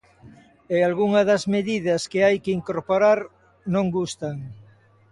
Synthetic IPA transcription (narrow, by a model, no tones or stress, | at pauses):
ealɣuŋɐðɐzmeðiðɐskɪajkɪiŋkoɾpoɾaɾ | nõŋɡust̪ɐŋ